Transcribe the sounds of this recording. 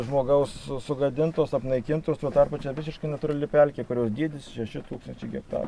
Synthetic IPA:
ʒmoːɡɐʊsːʊɡɐd̪ʲɪnt̪oːsɐpnɐɪkʲɪnt̪oːst̪oːt̪ɑːrpɐt͡ʃʲɛʋʲɪsʲɪʃkɐɪnɐt̪ʊːɾɐlʲɪpʲɛlʲkʲeːkʊɾʲoːsd̪ʲiɛd̪ʲɪsʃʲɛʃʲɪt̪uːkst̪ɐnʲt͡ʃʲɛɪɡʲɛk̚t̪ɑ̰ːrɐ

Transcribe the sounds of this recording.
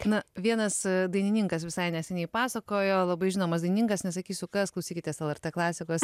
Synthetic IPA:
nɐʋʲiɛnɐsd̪ɐɪnʲɪnʲiŋkɐsʋʲɪsɐɪnʲɛsʲɛnʲɛɪpɑːsɐkoːjoːlˠɐbɐɪʒʲɪnoːmɐs̬d̪ɐɪnʲɪnʲɪŋkɐsnʲɛsɐkʲiːsʲʊkɐsklˠɔʊsʲiːkʲɪt̪ʲɛsɛlˠɛɾʲt̪ʲeːklˠɑːsʲɪkoːs

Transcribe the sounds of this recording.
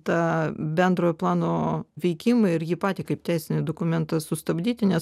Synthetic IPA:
t̪ɑːbʲɛnd̪ɾoːjoplˠɑːnoːʋʲɛɪkʲɪmɐɪɾjiːpɑːt̪ʲiːkɐɪp̚t̪ʲɛɪsʲɪnʲɪd̪oːkʊmʲɛnt̪ɐsʊst̪ɐbʲd̪ʲiːt̪ʲɪnʲɛs

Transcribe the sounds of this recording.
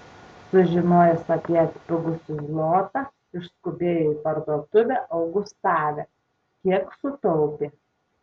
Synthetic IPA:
sʊʒʲɪnoːjɛsɐpʲiɛɐt̪ʲpʲɪɡʊsʲɪzlˠoːt̪ɑ | ɪʃskʊbʲeːjoːiːpɐɾd̪uɔt̪ʊʋʲɛʔɐʊɡʊst̪ɑːʋʲɛ | kʲiɛksʊt̪ɔʊpʲe

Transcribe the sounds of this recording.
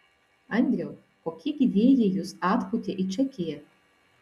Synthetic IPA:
ɐnʲd̪ʲɾʲɛw | koːkʲiɡʲid̪ʲeːjejʊsɑːt̪pʊt̪ʲeʔit͡ʃʲɛkʲɪjɛ

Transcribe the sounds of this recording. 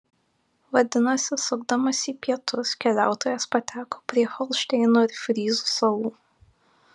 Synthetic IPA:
ʋɐd̪ʲɪnɐsʲɪsʊɡd̪ɐmɐsiːpʲiɛt̪ʊskʲɛlʲæ̰ˑʊt̪oːjɛspɐt̪ʲæːkoːpʲɾʲiɛxɔlˠʃʲt̪ʲɛɪnoɪɾfʲɾʲiːzuːsɐlˠuː

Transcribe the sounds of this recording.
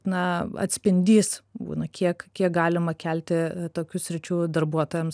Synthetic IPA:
nɐɐ̰t̪ʲsʲpʲɪnʲd̪ʲiːsbṵːnɐkʲiɛkkʲiɛk̚ɡɑːlʲɪmɐkʲælʲt̪ʲɪt̪oːkʲʊsʲɾʲɪt͡ʃʲuːd̪ɐrbuɔt̪oːjɛms

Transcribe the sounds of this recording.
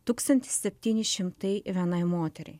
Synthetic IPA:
t̪uːkst̪ɐnʲt̪ʲɪ̥sʲsʲɛpʲt̪ʲiːnʲɪʃʲɪmt̪ɐɪʋʲɛnɐɪmoːt̪ʲɛɾʲɛ̰ɪ

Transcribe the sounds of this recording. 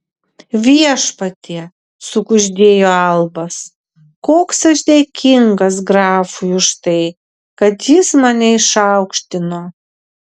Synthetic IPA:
ʋʲiɛʃpɐt̪ʲiɛ | sʊkʊʒʲd̪ʲeːjoːɐlˠbɐs | koːksɐʃd̪ʲeːkʲʰɪŋɡɐsɡɾɑːfʊjʊʃt̪ɐɪ | kɐt̪jɪsmɑnʲɛɪʃɐʊkʃʲt̪ʲɪnoː

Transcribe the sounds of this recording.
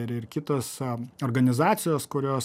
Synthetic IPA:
ɪɾɪrkʲɪt̪oːsoːɾɡɐnʲɪzɑːt̪sʲɪjoːskʊɾʲoːs

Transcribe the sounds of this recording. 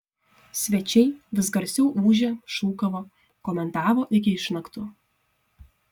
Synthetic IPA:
sʲʋʲɛt͡ʃʲɛɪʋʲɪsɡɐɾʲsʲɛʊʔuːʒʲɛʃuːkɐʋoː | koːmʲɛnt̪ɑːʋoːʔɪkʲɪɪʃnɐkt̪ʊ

